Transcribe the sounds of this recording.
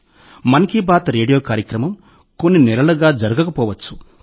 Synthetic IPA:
mɐnɐkibaːt̪ɾeːɖijoːkaːɾjɐkɾɐmɐm | ko̞nːinɛlɐlɐɡaːd͡ʒɐɾɐɡɐkɐpɔːʋɐt͡ʃːu̥

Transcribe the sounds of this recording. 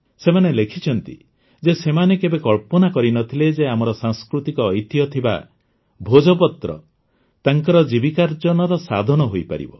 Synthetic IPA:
semanelekʰit͡ʃʰɔnt̪ḭ | d͡ʒesemanekebekɔɭpɔnakɔɾinɔt̪ʰiled͡ʒeamɔɾɔsaŋskɾut̪ikɔːjt̪ijɔt̪ʰiba̰ | bʱod͡ʒɔpɔt̪ɾɔ̰ | t̪aŋkɔɾɔd͡ʒibikaɾd͡ʒɔnɔɾɔsa̰d̪ʱɔnɔɦojpa̰ɾḭbɔ

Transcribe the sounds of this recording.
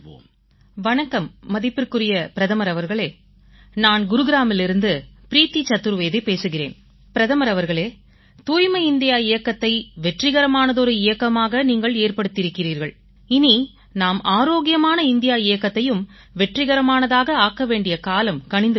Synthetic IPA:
ʋɐɳɐkːɐmːɐðɪpːɪrkɯrɪjɐpɪɾɐðɐmɐɾɐʋɐɾɣɐɭeː | naːnɡʊɾɯɣɪɾaːmɪlɪɾɯnd̪ɯpɪɾiːt̪ːit͡ʃːɐt̪ːɯɾʋeːðɪpeːsɯɣɪrḛːn | pɪɾɐðɐmɐɾɐʋɐɾɣɐɭeː | t̪uːjmɐɪnd̪ɪjaːɪjɐkːɐt̪ːɐɪʋɛʈrɪɣɐɾɐmaːnɐðɔɾɯɪjɐkːɐmaːɣɐniːŋɡɐɭeːrpɐɽɯt̪ːɪɾɯkːɪriːɾɣɐɭ | ɪni | naːmaːɾoːɣɪjɐmaːnɐɪnd̪ɪjaːɪjɐkːɐt̪ːɐjɯm | ʋɛʈrɪɣɐɾɐmaːnɐðaːɣɐaːkːɐʋeːɳɖɪjɐkaːlɐmkɐɳɪnd̪ɯ

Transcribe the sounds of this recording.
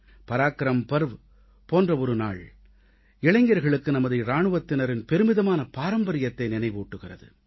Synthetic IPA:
pɐɾaːkːɐɾɐmpɐɾʋɯ | poːndrɐɔɾɯna̰ːɭ | ɛɭɐɪŋɡɐɾɣɐɭɯkːɯnɐmɐðɐɪɾaːɳɯʋɐt̪ːɪnɐɾɪnpɛɾɯmɪðɐmaːnɐpaːɾɐmbɐɾɪjɐt̪ːɐɪnɪnɐɪʋuːʈːɯɣɪrɐðɯ̰

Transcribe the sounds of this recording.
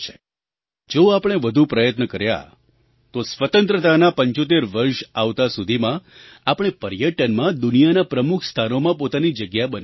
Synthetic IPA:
t͡ʃʰe | d͡ʒoapɽ̃eʋəd̪ʱupɾəjət̪nəkəɾja̰ | t̪osʋət̪ənt̪ɾət̪anapəɲt͡ʃot̪̬eɾʋəɾʃaʋt̪asud̪ʱimã | apəɽ̃epəɾjəʈənmãd̪unijanapɾəmukʰst̪ʰanomãpot̪anid͡ʒəɡjabən

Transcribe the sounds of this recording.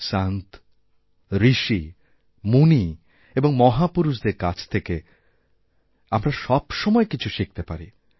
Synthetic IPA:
sant̪ | ɾiʃi | muni | eboŋmɔɦapuɾuʃ̬d̪eɾkat͡ɕʰt̪ʰeke | amɾaʃɔbʃɔmɔekit͡ɕʰuʃik̚t̪epaɾi

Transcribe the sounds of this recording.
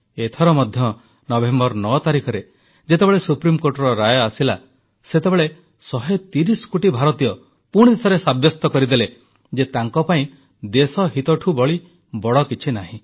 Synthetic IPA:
et̪ʰɔɾɔmɔd̪ʱjɔ | nɔbembɔɾnɔt̪aɾikʰɔɾe | d͡ʒet̪ebeɭesupɾimkoɾʈɔɾɔɾajɔasila | set̪ebeɭe | sɔɦet̪iɾisɔ̥koʈibʱaɾɔt̪ijɔ | puɽ̃d̪it̪ʰɔɾesabjɔst̪ɔkɔɾid̪ele | d͡ʒet̪aŋkɔpaĩ | d̪esɔɦit̪ɔʈʰubɔɭi | bɔɽɔkit͡ʃʰinaɦĩ

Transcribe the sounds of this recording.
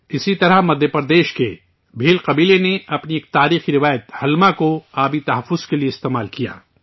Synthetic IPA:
ɪsit̪ɐɾəɦmɐd̪ʱjəpɾɐɾd̪eːʃkḛ | bʱiːlqɐbiːleneɐpnieːk̚t̪aːɾiːxiɾɪʋaːjət̪hɐlmakoaːbit̪ɐɦɐfːʊz̥kelieɪst̪eːmaːlkija̰ː

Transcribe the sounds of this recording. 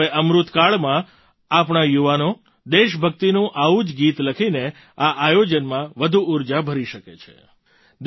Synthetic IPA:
eʔəmɾut̪kaɭmã | apɳajuʋano | d̪eʃbʱək̚t̪inũʔaʋud͡ʒɡit̪ləkʰine | aʔajod͡ʒənmãʋəd̪ʱuuɾd͡ʒabʱəɾiʃəkḛt͡ʃʰe̥̰ | d̪

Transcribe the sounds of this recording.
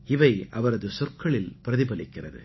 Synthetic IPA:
ɪʋɐɪʔɐʋɐɾɐðɯsɔrkɐɭɪlpɪɾɐðɪbɐlɪkːɪrɐðɯ̰

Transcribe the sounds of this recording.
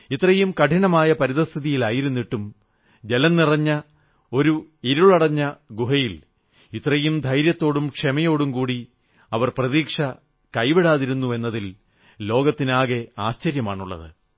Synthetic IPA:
it̪ːrɐjumkɐʈʰiɳɐmaːjɐpɐɾiðɐst̪ʰiðijilaːjiɾunːiʈːum | d͡ʑelɐnːirɐɲːɐ | o̞ɾuiɾuɭɐɽɐɲːɐɡuɦɐjil | it̪ːrɐjumd̪ʱɐjɾjɐt̪ːo̞ːɽumkʂemɐjo̞ːɽumkuːɽi | ɐʋɐrprɐðiːkʂɐ | kɐjʋiɽaːðiɾunːue̞nːɐðil | lo̞ːɡɐt̪ːinaːɣe̞aːɕt͡ɕɐɾjɐmaːɳuɭːɐ̰ðɨ

